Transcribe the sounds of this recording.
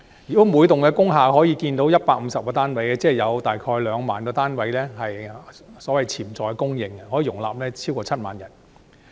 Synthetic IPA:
jyː˨˩o˨˥muː˨˧jt̪ʊ˨ŋkɛː˧kʊ˥ŋɦaː˨ɦɔː˨˥jiː˨˧kiː˧nt̪o˨˥wjɐ˥t̚paː˧k̚m̩˨˧sɐ˨p̚kɔː˧t̪aː˥nwɐ˨˥jɛ˧t͡sɛː˥˨jɐ˨˧wt̪aː˨jkʰɔː˧jlœː˨˧ŋmaː˨nkɔː˧t̪aː˥nwɐ˨˥jlɛː˥hɐ˨jsɔː˨˥wɐ˨jt͡sʰiː˨˩mt͡sɔː˨˩jkɛ˧kʊ˥ŋjɪ˨˧ŋhɔː˨˥jiː˨˧˩ʊ˨˩ŋla̰ː˨p̚lɛː˥t͡sʰiː˥wkɔː˧t͡sʰɐ˥t̚maː˨njɐ˨˩n

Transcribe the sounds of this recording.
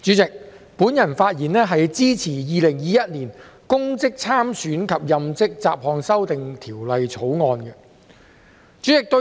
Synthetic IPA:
t͡ʃyː˨˥t͡sɪ˨k̚ | puː˨˥njɐ˨˩nfaː˧t̚jiː˨˩nɛː˥ɦɐ˨jt͡siː˥t͡sʰiː˨˩jiː˨lɪ˨˩ŋjiː˨˧jɐ˥t̚niː˨˩nkʊ˥ŋt͡sɪ˥k̚t͡sʰaː˥msyː˨˥nkʰɐ˨p̚jɐ˨mt͡sɪ˥k̚t͡saː˧p̚hɔː˧ŋsɐ˥wt̪ɪ˨ŋt̪ʰiː˨˩wlɐ˨jt͡sʰo˨˥wŋɔː˧nɡɛ˧ | t͡ʃyː˨˥t͡sɪ˨k̚t̪ɵ˧

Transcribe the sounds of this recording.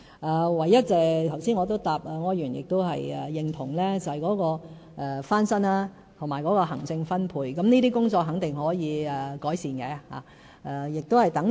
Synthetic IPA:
ʔaː˧wɐ˨˩jːɐ˥t̚t͡sɛː˨˧t̪ʰɐ˨˩wsiː˥nŋɔː˨˧t̪̬o˥wt̪aː˨p̚ɐː˨ŋɔː˧˥jɥyː˨˩njɪ̰˨k̚t̪o˥wɦɐ̰˨jɛ̰ː˨˩jɪ˧ŋt̪ʰʊ˨˩ŋlɛː˥t͡sɐ˨whɐ˨jkɔː˨˥kɔː˧ | ʔɛ˨faː˥nsɐ˥naː˧ | t̪ʰʊ˨˩maː˨˩jkɔː˨˥kɔː˧ɦɐ˨˩ŋt͡sɪ˧ŋfɐ˥npʰuː˧jkɐ˨˥mniː˥t̪iː˥kʊ˥ŋt͡sɔː˧k̚ɦɐ˨˥ŋt̪ɪ˨ŋhɔː˨˥jiː˨˧ɛː˨kɔː˨˥jsiː˨nkɛː˨˧ha̰ː˨ | ʔɛː˨˧jɪ˨k̚t̪o˥whɐ˨jt̪ɐ˨˥ŋ

